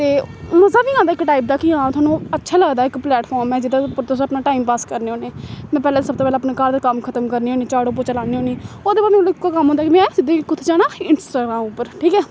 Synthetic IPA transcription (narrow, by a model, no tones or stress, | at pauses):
t̪eːməzaːʋiːãːd̪aɪkʈaːiːp̚d̪aːkiãːt̪ʰʊaːnũːətːʃʰaːləɡd̪aːɪkplɛːʈpʰɔːɾmɛ̃ːd͡ʒɪd̪aːpʊɾt̪oːsəpnaːʈaːimpaːskəɾneːoːneːmɛ̃ːpɛːlãːsəb̚t̪oːpɛːlaːpnekaːɾd̪akəmkʰət̪əmkəɾniːɦoːniːt͡ʃaːɽoːp̬oːt͡ʃəlaːniːɦoːniːoːd̪eːbaːd̪mɛ̃lːɪkːakəmɦõːd̪aːkimɛ̃sɪd̪iːkkʊt̪ʰːd͡ʒaːɽ̃aːɪnsʈaːɡɾaːmʊpːəɾʈʰiːkɛː